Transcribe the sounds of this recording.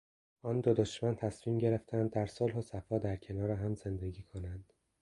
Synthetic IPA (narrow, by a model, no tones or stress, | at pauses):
ʔɒːnd̪od̪oʃmænt̪ʰæsmiːmɟe̞ɾeft̪ʰænd̪ːæɾsolɦosæfɒːd̪æɾcʰe̞nɒːɾeɦæmze̞nd̪e̞ɟiːkʰonænd̪̥